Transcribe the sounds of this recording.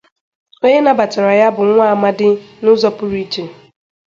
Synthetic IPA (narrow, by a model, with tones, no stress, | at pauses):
o˦ɲe˦na˦ba˨t͡ʃa˨ɾa˨ja˦bʊ˨ŋʷa˦a˨ma˦dɪ˦nʊ˦zɔ˦pʊ˦ɾi˦t͡ʃe˨